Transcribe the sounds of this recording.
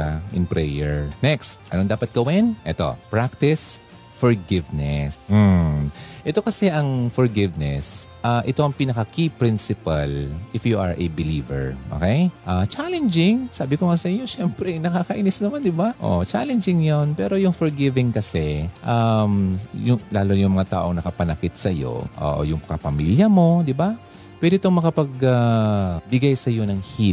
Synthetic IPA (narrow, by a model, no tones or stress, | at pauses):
aʔɪ̰npɹɛjɛɹnɛkst̪ʔɐ̰nond̪aːpɐt̪̚ɡ̥ɐwɛnʔɛt̪o̞̰pɹak̚t̪ɪs | fɔɹɡɪvnɛsm̩ | ʔɛt̪o̞kɐsɛʔɐŋfɔɹɡɪvnɛ̰sʔaʔɛt̪o̞ʔɐŋpinɐkɐkipɾɪnsɪpalʔɪfjuʔɐ̰ɹʔɐ̰bɪlivɛ̰ɹʔo̰kejʔat͡ʃalɛnd͡ʒɪŋsaːbɪkoŋasɐʔɪɲːo̞ʃɛmpɾɛjnɐkaːkɐʔiːnɪsnɐmand̪ɪbaʔo̰t͡ʃa̰lɛnd͡ʒɪŋjonpɛːɾo̞jʊŋfoɹɡɪvɪŋkɐsɛʔamjʊŋlaːlojʊŋmɐŋat̪a̰ːʔo̞ŋnɐkɐpɐnɐkɪt̪̚sɐjo̞̰ʔo̰ʔjʊŋkɐpɐmiljɐmo̞d̪ɪba | pwɛd̪ɪt̪oŋmɐkɐpɐɡ̚abɪɡajsɐjo̞nɐŋhi